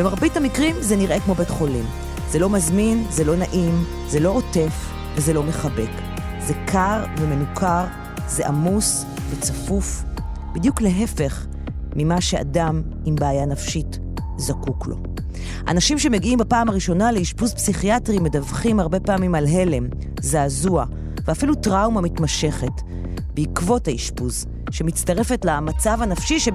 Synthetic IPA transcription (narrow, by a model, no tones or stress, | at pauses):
b̥emaʁbithamikʁimzeniʁʔe̞kmo̞betχo̞lim | zelo̞mazminzelo̞naʔim | zelo̞ote̞f | vezelo̞me̞χabe̞k | zekʰaʁveme̞nukʰaʁ | zeʔamus | vet͡safuf | bidjukleɦe̞fe̞χ | mimaʃe̞a̰dam | imbeajanafʃit | zakuklo̞̰ | ʔa̰naʃimʃe̞me̞ɡiimbapaːmaʁiʃo̞naleiʃpuzpsiχiatʁime̞davχimhaʁbe̞paːmimalɦe̞le̞m | zaːzua | veafilutʁawmamitmaʃe̞χe̞t | beikvo̞thaiʃpuz | ʃemit͡staʁe̞fe̞tlamat͡savanafʃiʃe